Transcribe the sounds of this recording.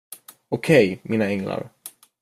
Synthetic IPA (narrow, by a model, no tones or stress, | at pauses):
ʊkʰɛjmʔiːnaɛŋla̰ɾ